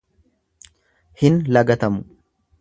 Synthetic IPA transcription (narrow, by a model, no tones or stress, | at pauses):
hɪnlɐɡɐt̪ɐmʊ